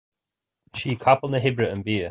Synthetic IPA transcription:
ʃiːkʰɑpəlnðəɦɪbɹəə̃nbiə

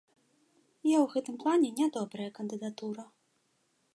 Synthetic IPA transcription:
jawɣɛt̪ɨmplˠanʲɛnʲad̪ɔbɾɐjɐkɐnd̪ɨd̪at̪uɾɐ

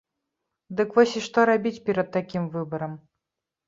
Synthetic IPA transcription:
d̪ɨkvɔsʲiʂt̪ɔɾabʲit͡sʲpʲɛɾɐt̪̚t̪ːakʲimvɨbɐɾɐm

